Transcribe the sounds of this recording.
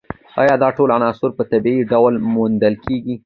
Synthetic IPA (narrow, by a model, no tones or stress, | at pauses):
ɑ̰jɑd̪ɑʈolanɑsʊɾpət̪abiiɖawlmʊnd̪əlkeɡi